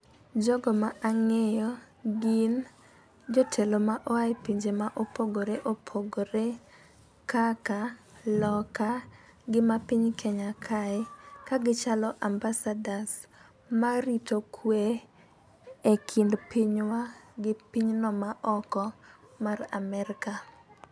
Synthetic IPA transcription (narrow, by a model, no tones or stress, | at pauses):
d͡ʒɔɡɔmaʔaŋɛjɔ | ɡin | d͡ʒɔtʰelomaʔɔaipiɲd͡ʒemaʔopoɡoɾeʔopʰoɡoɾe | kaka | lɔka | ɡɪmapɪɲkʰɛɲakʰaɛkaɡɪt͡ʃalɔʔambasadas | maɾitokʰwe | ekʰindpiɲwaɡɪpiɲnɔmaʔɔkɔmaramɛɾɪka